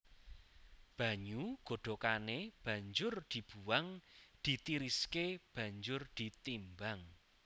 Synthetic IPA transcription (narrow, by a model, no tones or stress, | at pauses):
b̥ä̤ɲuɡ̥o̤ɖ̪̥o̤kaneb̥ä̤ɲd͡ʒʊrd̪̥i̤b̥uwaŋd̪̥i̤t̪iɾiskeb̥ä̤ɲd͡ʒʊrd̪̥i̤t̪imbaŋ